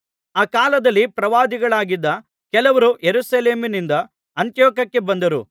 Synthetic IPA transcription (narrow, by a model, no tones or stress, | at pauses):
aːkaːlɐd̪ɐlːipɾɐʋaːd̪iɡɐɭaːɡid̪ːɐ | kɛlɐʋɐɾujeɾusɐleːminind̪ɐ | ɐnt̪jɔːkɐkːe̞bɐnd̪ɐɾṵ